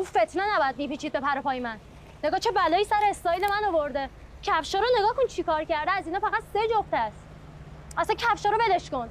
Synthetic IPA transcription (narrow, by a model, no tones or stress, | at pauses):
ufe̞t̪ʰnenæbɒjæd̪miːpiːt͡ʃʰiːd̪̚be̞pæɾopʰɒːjemænː | e̞ɡɒːt͡ʃʰebælɒːjiːsæɾeːst̪ɒːjiːlemænovoɾd̪e | cʰæfʃɒːɾone̞ɡɒːhkont͡ʃʰikʰɒːɾcæɾd̪eæziːnɒːfæɣæt̪sed͡ʒoft̪ææst̪ | æsæncʰæfʃɒːɾobe̞leʃkon